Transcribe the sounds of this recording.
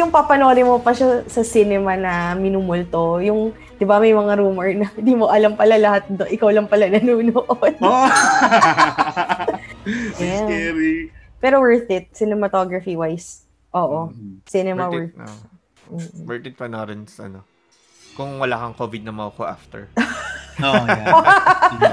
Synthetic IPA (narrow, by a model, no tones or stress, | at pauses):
jʊŋpɐpɐno̞ːɾɪmopɐʃasɐsinɛmɐnɐmɪnumʊlt̪o̞jʊŋ | d̪̥ɪbamɐjmɐŋaɾuːmɛɹnɐd̪iːmoʔɐlampɐlalɐhat̪̚d̪oʔɪkawlɐmpɐlanɐnuːnoʔod̪̥ | jaɛɾ | pɛːɾowɛ˞θɪt̪̚sɪnɛmɐt̪oɡɹɐfiwajs | ʔoːʔosɪnɛmɐwɛɹθ | m̩ːʔ̩wɛɹt̪ɪd̪̚pɐnaɾɛnsɐ̰no | kʊŋwɐlaːkɐŋkoːvɪd̪̚nɐmawkoʔa̰ft̪ɛ̰ɹ